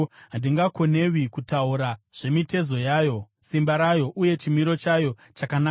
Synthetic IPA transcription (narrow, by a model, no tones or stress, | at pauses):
ɦandiŋɡako̞ne̞wikutauɾaʐ̥e̞mite̞zo̞jaːjo̞simbaɾajo̞ʔuje̞t͡ʃimiɾo̞t͡ʃajo̞ | t͡ʃakanaː